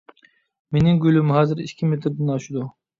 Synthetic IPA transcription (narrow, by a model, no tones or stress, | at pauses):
menɪŋɡʲylymhɑːzɪɾḭʃkʲʰimet̪ʰɾd̪ɛnɑʃud̪u